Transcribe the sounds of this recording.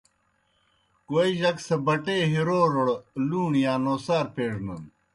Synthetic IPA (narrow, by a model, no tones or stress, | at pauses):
koːiʑɐksɐbɐʈeːɦiɾoːɾoɽluːɳjaːnoːsaːɾpeːɽnɐn